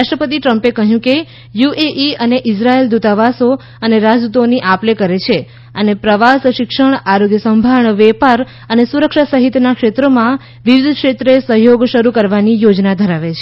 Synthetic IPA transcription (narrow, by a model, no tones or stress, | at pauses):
ɾaʃʈɾəpət̪iʈɾəmpekəɦjũke | juʔeʔiəneʔɪsɾaeld̪ut̪aʋaso | əneɾad͡ʒ̪ut̪oniʔaplekəɾet͡ʃʰe | ənepɾəʋasʃɪkʃəɳaɾoɡjəsəmbʱaɳʋɛpaɾ | ənesuɾəkʃasəɦit̪nakʃet̪ɾomã | ʋiʋɪd̪ʱkʃet̪ɾesəɦjoɡʃəɾukəɾʋanijod͡ʒnad̪ʱəɾaʋet͡ʃʰe